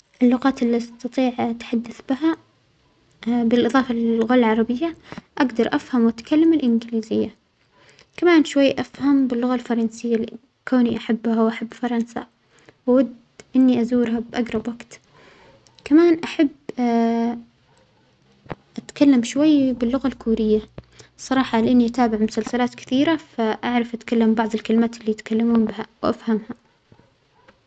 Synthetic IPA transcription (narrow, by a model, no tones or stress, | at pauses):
ʔɪlːʊɣɑːt̪ɪlːist̪ɑt̪ˤiːʕat̪ħad̪ːaθbɪɦa | bɪlʔɨðˤɑːfɑlɪlɣaːlalʕɑɾˤɑbɪjːaʔaɡd̪ɑɾˤʔafhamwat̪kalːamɪlʔɪnɡliːzɪjːa | kamaːnʃwajːʔafhambɪlːʊɣalfɑɾˤɑnsɪjːa | koːniʔaħabːhawʔaħabːfɑɾˤɑnsa̰ | wawad̪ | ʔɪnːiʔazuːɾhabʔaɡɾˤɑbwaɡt̪ | kamaːnʔaħabː | ʔat̪kalːamʃwajːbɪlːʊɣalkuːɾɪjːa | sˤɑɾˤɑːħɑlɪʔanːiʔat̪aːbɪʕmʊsalsalaːt̪kɪ̥θiːɾafaʔaʕɾˤɑfʔat̪kalːambɑʕðˤɪlkalɪmaːt̪ɪlːiːjɪt̪kalːamuːmbɪhawʔafhamha